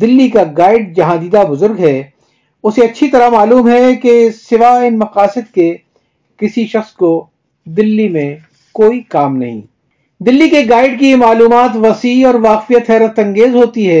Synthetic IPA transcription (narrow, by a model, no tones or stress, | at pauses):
d̪ɪlːikaɡaːɪɖ̚d͡ʒɐɦãd̪iːd̪abʊzʊɾɡɦɛː | ʊseɐtːʃʰit̪ɐɾamaːluːmɦɛkesɪʋaɪnmɐqaːsɪd̪̚ke | kɪsiʃɐxsko | d̪ɪlːimẽ | koːikaːmnɐ̰ɦḭ̃ː | d̪ɪlːikeɡaːɪɖkimaːluːmaːt̪ʋɐsiːɔːɾʋaːqfijət̪ɦɛːɾət̪ɐ̃ŋɡeːzɦoːt̪iɦɛː